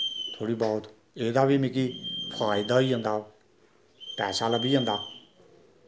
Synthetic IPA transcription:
t̪ʰoːɽiːbɔːʊt̪ | eːd̪aːbiːmɪkiːpʰaːɪd̪aːiːɦə̃nd̪aː | pɛːsaːlaːbiːə̃nd̪aː

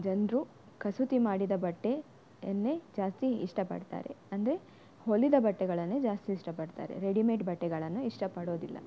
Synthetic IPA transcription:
d͡ʒɐnd̪ɾu | kɐsut̪imaːɽid̪ɐbɐʈːe | ɐnːed͡ʒaːst̪iiʂʈɐpɐ̰ɽt̪a̰ːɾḛɐnd̪ɐɾe̞ | holːid̪ɐbɐʈːɛɡɐɭɐnːed͡ʒaːst̪iːʂʈɐpɐɽt̪a̰ːɾḛɾeɽimeːʈbʱɐʈːɛɡɐɭɐnːuiʂʈɐpɐɽo̞ːd̪ilːɐ̰

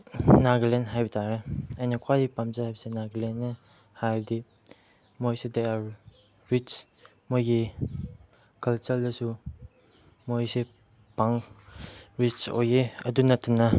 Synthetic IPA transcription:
naɡlenɦajbitʰaɾeajnakʰwajdipamzahajbisenaɡlenː | hajɾdi | mojsedeaɾ | ɾit͡ʃ | mojɡi | kɐlt͡ʃɐldɐsu | mojse | paŋ | ɾit͡ʃo̰jeɐdunɐtːunɐ

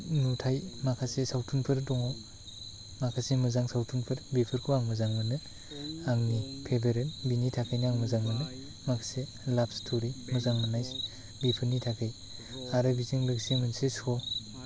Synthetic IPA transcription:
nutʰajmakʰasesawtʰunpʰɯɾdɔŋaw | makʰasemɯzaŋsawtʰunpʰɯɾbipʰɯɾkʰuaŋmɯzaŋmɯnɯ | aŋnipʰebeɾenbinitʰakʰajnɯaŋmɯzaŋmɯnɯ | makʰase | lap̚stʰoɾimɯzaŋmɯnajs | bipʰɯɾnitʰakʰɯj | aɾɯbizɯŋlɯksemɯnsesɔ

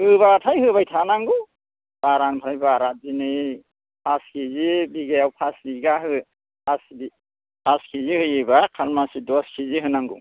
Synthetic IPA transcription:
hɯβatʰajɦɯbajtʰanaŋɡɯ | b̥aɾanpʰaɾajbaɾat̚zinɯj | pʰaskʰizibiɡajawpʰasbiɡaɦɯ | pʰasbi | pʰaskʰizihɯjɯbakʰalmasidɔskʰiziɦɯnaŋɡṵ

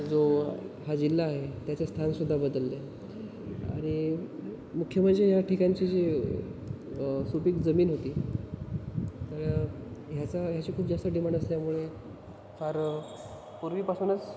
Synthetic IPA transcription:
d͡zoɦad͡ʑilːaːɦet̪jat͡sest̪ʰansud̪ʱːabəd̪əlːe | a̰ɽ̃i | mukʰːjəm̤ənd͡zeɦjaʈʰikaɲt͡ɕiːd͡ʑi | supiːkd͡zəmiːnɦot̪iː | t̪əɭɦjat͡saɦjat͡ɕiːkʰuːb̚d͡zast̪əɖimaɳəst̪jamuɭe | fəɾ | puɾʋiːpasuːnət͡s

